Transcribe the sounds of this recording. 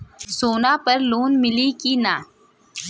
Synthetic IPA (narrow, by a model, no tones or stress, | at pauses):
soːnapɐɾloːnmɪlikinaː